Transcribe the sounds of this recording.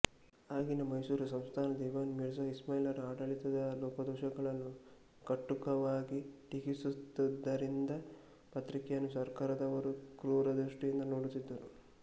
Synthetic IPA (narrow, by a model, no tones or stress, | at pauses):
aːɡinɐmɐjsuːɾusɐmst̪ʰaːnɐd̪iːʋaːnmiɾs̬ɐismɐjlɐɾaːɖɐɭit̪ɐd̪ɐlɔːkɐd̪ɔːʃɐɡɐɭɐnːu | kɐʈːukɐʋaːɡiʈiɡisut̪ːɐd̪ːɐɾind̪ɐ | pɐt̪ɾikɛjɐnːusɐɾkaːɾɐd̪ɐʋɐɾukɾuːɾɐd̪ɾuʂʈijind̪ɐnoːɽut̪id̪ːɐɾu